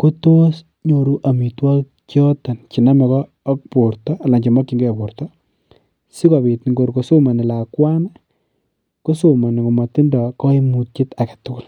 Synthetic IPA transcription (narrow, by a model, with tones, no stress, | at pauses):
ko˦to˦s | ɲo˨ɾu˦ʔa˨mi˨twɔ˦ | t͡ʃjɔ˦ta˨nt͡ʃi˨na˦mɔ˨kɔː˦k̚po˨ɾtɔa˨la˨ɲd͡ʒi˨mɔ˦ki˦ŋɡɛ˦˨po˨ɾtɔ | si˦kɔ˨pi˨tn˨ŋɡo˨ɾko˨so˦ma˨nɪ˨la˨kwa˦nɛ | ko˦soma˨n˨ŋo˨mɔ˨ti˦ndɔ˨kɔ˦i˦mu˨t̚t͡ʃi˦ta˨ɡatʊ˦kʊ˨l